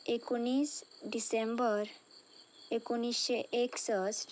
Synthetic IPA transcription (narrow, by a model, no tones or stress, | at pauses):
ekunisɖisembɔɾ | ekuniʃeʔeksɔsʈ